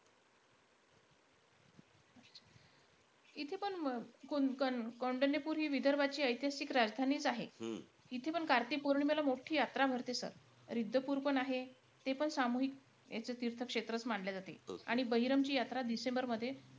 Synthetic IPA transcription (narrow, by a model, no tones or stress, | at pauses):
atːt͡ɕʰḁ | it̪ʰepəɳkukəkoɳɖənepuːɾɦiːʋid̪ʱəɾbat͡ɕiːəjt̪ijasikɾad͡zd̪ʱaniːt͡saɦe | it̪ʰepəɳkaɾt̪ipoɾɳimelamoʈʰiːjat̪ɾabʱəɾt̪esə̰ɾ | ɾid̪ʱːəpuːɾpəɳaɦe | t̪epəɳsamuɦik̚ | ja̰t͡sət̪iɾt̪ʰəkʂet̪ɾət͡smaɳljad͡zat̪ḛa̰ɽ̃ibəɦiɾəmt͡ɕiːjat̪ɾad̪isembəɾməd̪ʱːje